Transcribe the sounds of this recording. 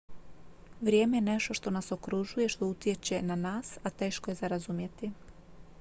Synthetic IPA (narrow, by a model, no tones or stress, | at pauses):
ʋɾjeːme̞jene̞ʃt̪o̞ʃt̪o̞naso̞kɾuʒuje̞ʃt̪o̞ut̪je̞t͡ɕe̞nanaːsat̪e̞ːʃko̞je̞zaɾazumje̞t̪i